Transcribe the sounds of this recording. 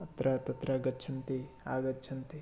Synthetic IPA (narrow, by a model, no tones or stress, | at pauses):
ɐt̪ɾɐt̪ɐt̪ɾɐɡɐt͡ʃʰɐnt̪i | aːɡɐt͡ʃʰɐnt̪i